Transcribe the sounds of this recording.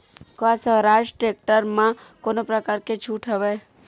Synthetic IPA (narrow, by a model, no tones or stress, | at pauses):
koasəɾad͡ʒʈek̚ʈəɾmãkoːnopɾəkaːɾket͡ʃʰuːʈʰɦəʋe